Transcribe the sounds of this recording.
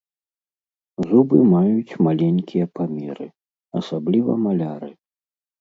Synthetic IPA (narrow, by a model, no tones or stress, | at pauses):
zubɨmajut͡sʲmalʲɛnʲkʲijɐpamʲɛɾɨ | ɐsablʲivɐ̰malʲaɾɨ